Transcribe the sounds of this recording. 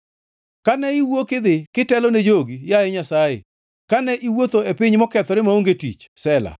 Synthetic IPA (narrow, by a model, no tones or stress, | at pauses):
kanɛiwokɪd̪ɪkɪtɛlɔned͡ʒoɡijajɛɲasajḛ | kanɛʔiwot̪oepɪɲmɔkɛt̪ɔɾɪmaoŋɡetḭt͡ʃsɛla̰